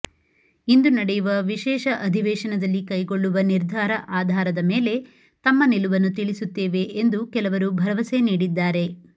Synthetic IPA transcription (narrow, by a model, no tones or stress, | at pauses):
ind̪unɐɽejuʋɐʋiʃɛːʃɐʔɐd̪ʱiʋɛːʂɐnɐd̪ɐlːikɐjɡo̞ɭːuʋɐniɾd̪ʱaːɾɐʔaːd̪ʱaːɾɐd̪ɐmeːle̞ | t̪ɐmːɐniluʋɐnːut̪iɭisut̪ːeːʋe̞ʔːnd̪ukɛlɐʋɐɾubʱɐɾɐʋɐse̞niːɽid̪ːaːɾe̞